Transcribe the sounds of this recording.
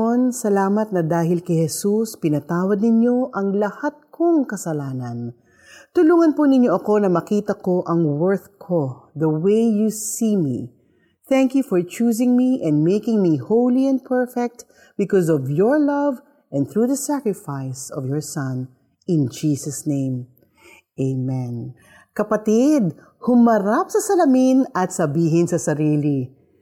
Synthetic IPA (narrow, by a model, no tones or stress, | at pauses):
nsɐlaːmɐt̪̚nɐd̪aːɦɪlkɐjhɛsuspɪnɐt̪aːwɐd̪̚nɪɲjo̞ʔɐŋlɐhat̪̚kʰoŋkɐsɐlaːnɐn | t̪ʊluːŋɐnpʊnɪɲjoʔɐko̞nɐmɐkiːt̪ɐko̞ʔɐŋwɛɹθkʰod̪ɐwejjusimḭ | θæŋkjufɔɹt͡ʃuːs̬ɪ̃ŋmiʔɛ̃nd̪̚mejkɪŋmihowliɛ̃n̚pʰɛɹfɛk̚t̪ | b̥ɪkɔsɔvjɔɹlɐv | ʔɛ̃nd̪θɹuːðɐsækɹɪfaɪsɔvjɔɹsɐ̃n | ɪ̃nd͡ʒiːsɐsnẽɪ̃m | ʔeɪmɛ̃n | kɐpɐt̪id̪̚ | hʊmɐɾap̚sɐsɐlɐminɐt̪sɐbiːɦɪnsɐsɐɾiːli